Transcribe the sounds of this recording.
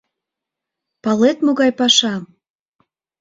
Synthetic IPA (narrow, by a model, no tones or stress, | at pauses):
pɑlet̪moɣɑjpɑʃɑ